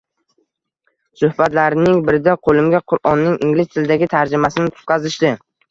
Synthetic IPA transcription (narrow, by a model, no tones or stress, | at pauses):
sʊhbat̪laɾɪnɪŋbɪɾɪd̪aqʰolˠɪmɡʲaqʰʊɾɒnːɪŋɪŋlɪst̪ʰɪlɪd̪aɡʲɪt̪ʰaɾd͡ʒɪmasɪnɪt̪ʰʊ̥t̪̚qʰɑzɪʃd̪ɪ